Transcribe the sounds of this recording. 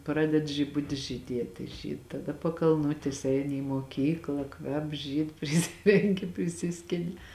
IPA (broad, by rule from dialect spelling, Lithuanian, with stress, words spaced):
ˈprɑːdʲɛt ʒʲɪˈbʊtʲɪs ʒʲiːˈdʲiɛtʲeː ˈʒʲiːt tɐˈdɐ pɐkɐlˠˈnʊtʲeːs ˈɛɪnʲɪ iː moːˈkʲiːklˠɐ ˈkʋʲɛp ˈʒʲiːt pʲrʲɪˈsʲɪrʲɛŋʲkʲɪ pʲrʲɪˈsʲɪsʲkʲɪnʲɪ